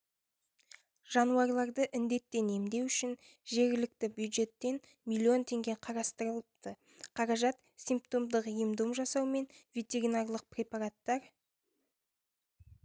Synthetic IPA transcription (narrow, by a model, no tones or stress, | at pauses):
ʒ̥ɑnuɑɾlˠɑɾd̪əʔɪnd̪e̞t̪ːe̞ne̞md̪e̞wʏʃɪn | ʒe̞ɾɡʲɪlɪk̚t̪ɪbʲjud̪ʒe̞t̪ːe̞n | mʲilʲːio̞nt̪ʰe̞ŋɡʲe̞qʰɑɾɑst̪əɾəlˠəpt̪ə | qʰɑɾɑʒɑt̪ | sʲijmpt̪o̞md̪əqəjəmd̪umʒɑsɑwme̞nvʲit̪eɾʲinarlˠəq̚pɾʲe̞pɑɾat̪ːɑɾ